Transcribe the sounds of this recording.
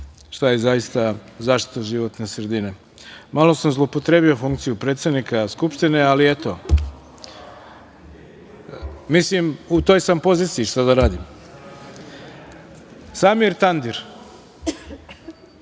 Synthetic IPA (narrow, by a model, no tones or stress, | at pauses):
ʃt̪ajezaist̪azaːʃt̪i̥t̪aʒiʋo̞t̪ne̞sɾe̞d̪ine̞ | malo̞samzlˠoopo̞t̪ɾe̞biofuŋkt̪sijupɾe̞t̪sed̪nikaskupʃt̪ine̞aliet̪o̞ | mislimut̪o̞ːjsampo̞ziːt̪siːʃt̪ad̪aɾaːd̪im | samiɾt̪and̪iɾ